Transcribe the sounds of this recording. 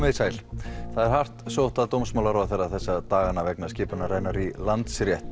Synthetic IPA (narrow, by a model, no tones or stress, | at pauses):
meːsaːjlθaðɛɾ̥har̥t̪sowht̪aðt̪owmsmawlaɾɔθɛrːaθɛsːat̪aːɣanavɛknascɪːpʏnaɾaːjnaɾilant̪sɾjɛht̪